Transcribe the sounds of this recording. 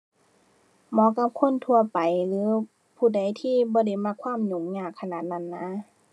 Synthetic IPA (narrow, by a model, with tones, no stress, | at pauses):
mɔː˧˦ka˧˦˥p̚kʰo˧˥˨nt̪ʰu˧ɐpa˨jlɯː˨˦ | pʰuː˧˩˨da˨˦jt̪ʰiː˧˥˨bɔː˧˦da˧˩jma˧˥kʰwaː˧˥˨mɲo˨˦ŋɲaː˧˩kʰːa˧naː˧˩t̪̚na˧˩˨nːa˧˥